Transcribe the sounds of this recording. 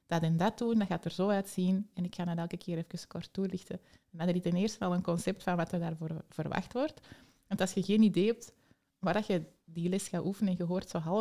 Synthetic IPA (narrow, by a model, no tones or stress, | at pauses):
d̥ɑdɛndɑtundɑɣaːtərzoːœtsinɛnɪkxaːnanɛlˠkəkʰɪːɾɛfəkəskɔrtːulɪxtə | ɛndɑndəritɛneːrstənɑlˠənkɔnsɛp̚tfɑnʋɑtədaːrvoːrv̥ərʋa̰xtʋɔrt | ɑntɑlˠsxəɣeːnideːɦɛp̚t | ʋaːrdɑxədilɛsxaːʔufənəɛnɣəɦoːrtsoːɦɑlˠə